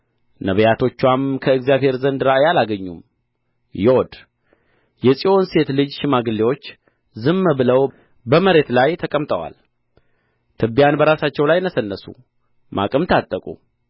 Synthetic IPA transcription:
nəβəjat̪ʰo̞t͡ʃːwamkʰəɨɡzijaβhe̞ɾzənd̪ɨɾajalaɡəɲːṵm | jɛwod̪ | jɛsʼiʔo̞nse̞t̪lɨd͡ʒʃɪmaɡɨlːewo̞t͡ʃː | zɨmːəbɨləw | bəməɾe̞t̪lajt̪ʰəkʼəmt̪ʼəwa̰l | t̪ʰɨbijanbəɾasat͡ʃːɛwlajnəsənːəsṵ | mʔa̰kʼɨmt̪ʰat̪ʼːəkʼṵ

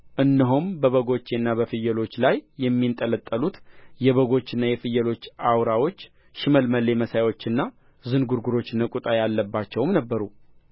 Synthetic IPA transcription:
ʔɨnːiɦumbəβəɡo̞t͡ʃːe̞nːaβəfɨjːəlo̞t͡ʃːlajːɛmːint̪ʼələt̪ʼːəlut̪jɛβəɡo̞t͡ʃːɨnːajɛfɨjːəlo̞t͡ʃːawɾawo̞t͡ʃː | ʃɪməlməlːe̞məsajwo̞t͡ʃːɨnːa | zɨnɡuɾɡuɾo̞t͡ʃːnəkʼut̪ʼajalːəbːat͡ʃːɛwmnəbːəɾu

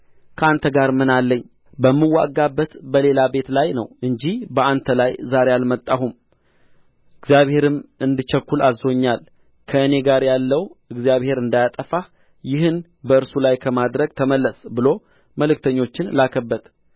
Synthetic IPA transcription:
kʰəant̪ʰəɡaɾmɨnalːəɲː | bəmːɨwːa̰ɡːabːət̪bəle̞labe̞t̪lajnə̰wɨɲd͡ʒihbəant̪ʰəlajzaɾejalmət̪ʼːaɦum | ɨɡzijaβhe̞ɾɨmɨnd̪ɨt͡ʃəkːulazo̞ɲːal | kʰəɨne̞ɡaɾjalːəwɨɡzijaβhe̞ɾɨnd̪ajat̪ʼəfa | jɪhɨn | bəɨɾsulajkʰəmad̪ɾəɡ̚t̪ʰəməlːəsbɨlo̞ | məlɨkt̪ʰəɲːo̞t͡ʃːɪnlakʰəbːət̪

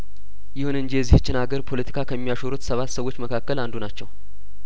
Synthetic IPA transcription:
jɪhunɨnɲd͡ʒijɛzːiht͡ʃːɪnaɡəɾpʰo̞lət̪ʰi̥kʰakʰəmːijaʃoɾut̪səβat̪ːsəwːo̞t͡ʃːməkʰakːəland̪unat͡ʃːɛw

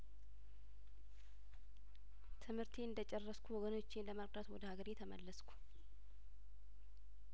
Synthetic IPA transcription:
t̪ʰɨmhɨɾt̪ʰeɨnd̪ət͡ʃʼɛrːəskʰʷuwɔɡəno̞t͡ʃːɪnləməɾʼd̪at̪wɔd̪əhaɡəɾjɛt̪ʰəmə̰lːəskʰu̥

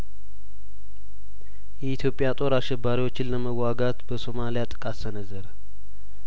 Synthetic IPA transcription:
jɛit̪ʰjo̞pʼːjat̪ʼo̞ɾaʃɛbːaɾiwo̞t͡ʃːɪnləməwaɡat̪bəso̞malijat̪ʼɨkʼasənəzːəɾə

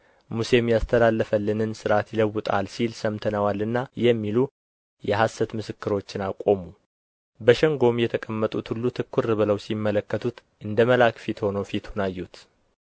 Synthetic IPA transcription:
muse̞mjast̪ʰəlalːəfəlːɨnɨnsɨɾat̪jɪləwːʊt̪ʼa̰lsilsəmt̪ʰənəwalɨnːajɛmːilu | jɛɦasːət̪mɨsɨkːɨɾo̞t͡ʃːɪnakʼo̞mu | bəʃɛŋɡo̞mjɛt̪ʰəkʼəmːət̪ʼut̪hulːut̪ʰɨkʰːuɾɨβɨləwsimːələkːət̪ʰut̪ʔɨnd̪əməlakfit̪ho̞nəwfit̪ʰunajːut̪

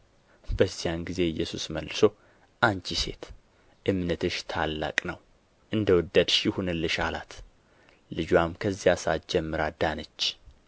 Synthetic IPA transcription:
bəzːijanɡize̞ɨjːɛsusməlːɨso̞ | ʔant͡ʃise̞̰t̪ | ʔɨmnət̪ʰɨʃt̪ʰalːa̰kʼnəw | ʔɨnd̪əwʊd̪ːəd̪ʃɪhunɨlːɨʃalat̪ | lɨd͡ʒwamkʰəzːijasat̪d͡ʒɛmːɨɾad̪anət͡ʃː

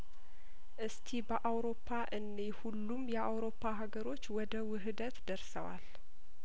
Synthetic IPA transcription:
ʔɨst̪ʰibəʔawɾo̞pʰːaʔɨnːehulːumjɛʔawɾo̞pʰːaɦaɡəɾo̞t͡ʃːwɔd̪əwɨɦɨd̪ət̪d̪əɾsəwa̰l

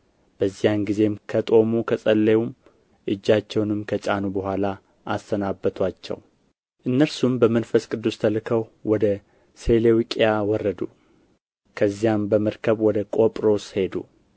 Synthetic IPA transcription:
b̥əzːijanɡize̞mkʰət̪ʼo̞mukʰəsʼəlːeum | ʔɨd͡ʒːat͡ʃːɛwnɨmkʰət͡ʃʼanubəɦʷala | ʔast̪ʰənabːət̪ʰwat͡ʃːɛ̰w | ʔɨnːəɾsumbəmənfəskʼɨd̪ːust̪ʰəlɨkʰəwwɔd̪ə | se̞lewikʼjawɔrːəd̪u | kʰəzːijambəməɾkʰəβwɔd̪əkʼo̞pʼɾo̞she̞d̪ṵ

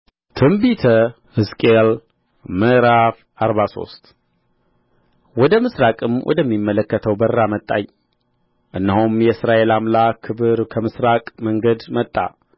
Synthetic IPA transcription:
t̪ʰɨmbit̪ʰə | hɨskʼel | məɾaf | aɾβaso̞̰st̪ʼ | wɔd̪əmɨsɾakʼɨmwʔɔ̰d̪əmːimːələkːət̪ʰəwbərːamət̪ʼːa̰ɲ | ʔɨnːəhumjɛsɾaelamlakʰɨbɨɾkʰəmɨsɾakʼməŋɡəd̪mət̪ʼːa̰

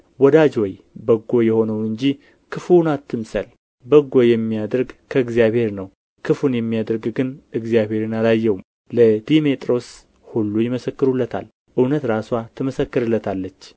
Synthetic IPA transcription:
wɔd̪ad͡ʒwɔj | bəɡːo̞jɛho̞nəwnɨɲd͡ʒi | kʰɨfunat̪ʰːɨmsəl | bəɡːo̞jɛmːijad̪əɾɡkʰəɨɡzijaβhe̞ɾnəw | kʰɨfunjɛmːijad̪əɾɡɡɨnɨɡzijabhe̞ɾɨnalajːɛwum | ləd̪imet̪ʼɾo̞s | hulːujɪməsəkːɨɾulːət̪ʰa̰l | ʔɨwnət̪ɾaswat̪ʰɨməsəkːɨɾɨlːət̪ʰalːət͡ʃː

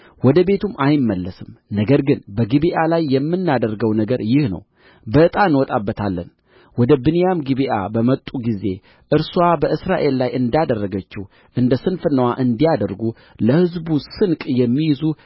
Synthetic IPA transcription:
wɔd̪əbe̞t̪ʰumʔajɪmːəlːəsɨmnəɡəɾɡɨnbəɡibiʔalajːɛmːɨnːad̪əɾrɡəwnəɡəɾjɪhnə̰w | bət̪ʼanwɔt̪ʼabːət̪ʰalːə̰n | wɔd̪əbɨnjamɡiβiʔa̰bəmət̪ʼːuɡize̞ | ʔɨɾsuwabəʔɨsɾaʔe̞lːajʔɨnd̪jad̪ərːəɡət͡ʃːɪh | ʔɨnd̪əsɨnfɨnːəwaʔɨnd̪ijad̪əɾɡu | ləhɨzbusɨnkʼjɛmːijzu

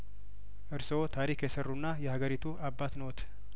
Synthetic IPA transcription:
ʔɨɾso̞t̪ʰaɾikjɛsərːunːajɛhaɡəɾit̪ʰuʔabːat̪not̪ʰ

